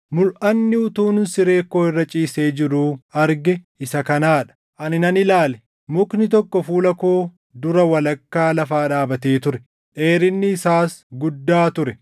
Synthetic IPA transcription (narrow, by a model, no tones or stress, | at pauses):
mʊlʔɐnːɪʊt̪uːnʊnsɪɾe̞ːkːo̞ːɪrːɐt͡ʃʼiːseːd͡ʒɪɾuːɐɾɡɛ | ɪsɐkɐnaːᶑɐ̥ | ʔɐnɪnɐnɪlaːlɛ | mʊknɪt̪̬ɔkːɔfuːlɐko̞ː | d̪ʊɾɐwɐlɐkːaːlɐfaːᶑaːbɐt̪e̞ːt̪ʊɾɛ | ᶑe̞ːɾɪnːɪːsaːsɡʊd̪ːaːt̪ʊɾɛ